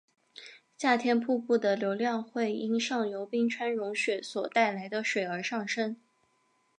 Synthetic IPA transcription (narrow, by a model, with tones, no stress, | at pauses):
ɕja˥˩t̪ʰjɛ˥npʰu˥˧pu˥˩d̪ə˩ljo˧˥ʊljɑ˥˧ŋxwe˥˩ɪi˥nʂɑ˥˩ŋljo˧˥ʊpi˥ŋʈ͡ʂʰwa˥nɻʊ˧˥ŋɕɥɛ˨˩swɔ˨˩t̪a˥˩ɪla˧˥ɪd̪ə˧ʂwe˨˩ɪə˞˧˥ʂɑ˥˩ŋʂə˥n